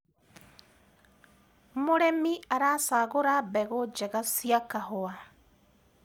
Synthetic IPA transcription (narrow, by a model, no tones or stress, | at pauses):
moɾemiaɾasaːɣoɾabɛɣod͡ʒɛɣasiakahoa